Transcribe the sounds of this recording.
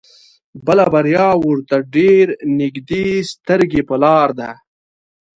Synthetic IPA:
bəlabaɾjɑːwʊɾt̪aɖeɾnɪɡd̪eːst̪əɾɡepəlɑːɾd̪a

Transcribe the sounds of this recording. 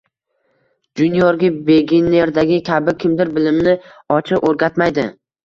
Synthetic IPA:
d͡ʒʊnjɒɾɡʲɪbe̞ɡʲine̞ɾd̪aɡʲɪkʲʰabɪkʲʰɪmd̪ɪɾbɪlɪmnɪɒt͡ʃʰɪoɾɡʲat̪majd̪ɪ̰

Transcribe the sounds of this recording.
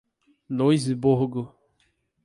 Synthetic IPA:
noiziboɦʊɡo

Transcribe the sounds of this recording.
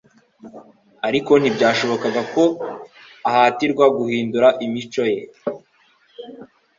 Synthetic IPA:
aɾiko̞n̥ibɟaːʃo̞βo̞kaɡako̞ | ahaːtiɾɡwaɡuhiːnduɾaʔimit͡ʃo̞je̞

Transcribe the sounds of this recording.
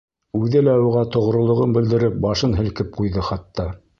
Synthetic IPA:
ʉðɘlæuʁɑt̪ŏʁ̆ɾŏlˠŏʁɤnbɘ̆ld̪ɘ̆ɾɘp̚bɑʃɤnɦɘ̆lkɘp̚qujðɤχɑt̪ːɑ

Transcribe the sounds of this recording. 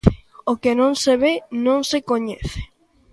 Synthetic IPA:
okenõŋseβenõŋsekoɲɛθe̥

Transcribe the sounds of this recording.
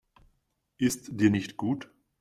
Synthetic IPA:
ʔɪstd̥iːɐnɪçtɡ̥uːt

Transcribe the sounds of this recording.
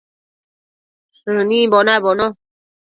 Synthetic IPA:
sunimbɔnabɔnɔ

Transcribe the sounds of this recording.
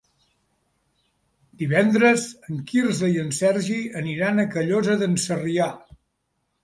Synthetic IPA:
d̪iβɛnd̪ɾəzəŋkirzəiənsɛɾʒiəniɾanəkəʎozəðənsəria

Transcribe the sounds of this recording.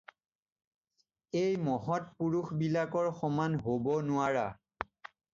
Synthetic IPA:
ejmɔɦɔtpuɹuxbilakɔɹxɔmanɦobɔnʊaɹa

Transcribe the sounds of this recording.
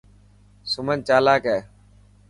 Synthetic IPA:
sʊmənt͡ʃaːlaːkɛː

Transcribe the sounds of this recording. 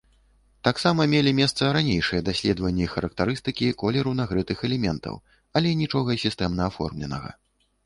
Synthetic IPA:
t̪aksamɐmʲelʲimʲɛst̪sɐɾanʲejʂɨjɐd̪asʲlʲɛd̪vɐnʲːiixɐɾɐk̚t̪aɾɨst̪ɨkʲikɔlʲɛɾuwnaɣɾɨt̪ɨxɛlʲɛmʲɛnt̪ʰɐ̰w | ɐlʲɛnʲit͡ʂɔɣɐsʲist̪ɛmnɐafɔ̰rmlʲɛ̰nɐ̰ɣɐ̰

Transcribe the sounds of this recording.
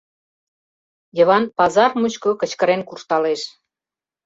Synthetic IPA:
jə̆βɑnpɑzɑrmut͡ɕkokə̆t͡ɕkə̆ɾenkurʃt̪ɑleʃ

